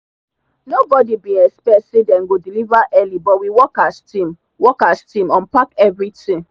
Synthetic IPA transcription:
nobɔdibĩɛspɛtsedɛ̃nɡodilivaʔɛlibɔtwiwɔkastĩm | wɔkastĩmɔ̃npakɛvɹitĩŋ

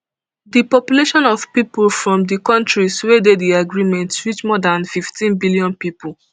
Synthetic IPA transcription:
dipɔpjuleʃɔ̃nɔvpiplfɹɔ̃mdikɔ̃ntɹiswedediaɡɹimɛ̃ntɹit͡ʃmɔdãnfiftĩnbiljɔ̃npipʊl̩ˠ

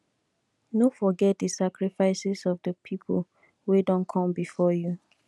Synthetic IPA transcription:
nofɔɡɛt̚dəsakɹifaɪsɪsɔvdəpʰipʰo̰l | wedɔ̃nkʰɔ̃mbifɔju

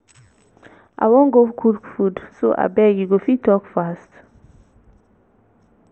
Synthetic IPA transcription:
ʔa̰wɔŋɡokʰulkfudso̰ʔa̰bɛɡiɡofitɔkfast

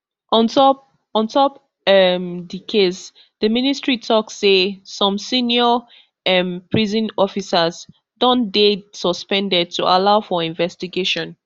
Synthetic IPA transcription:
ʔɔ̃ntɔp | ɔ̃ntʰɔp | ɛmdikʰes | dəministɹitʰɔksːesɔ̃msĩnjɔ | ɛ̃mpɹizɔ̃nɔfisaz | dɔ̃ndesɔspɛ̃ndɛd̚tʰuʔalaʊfɔĩnvɛstiɡeʃɔ̃n

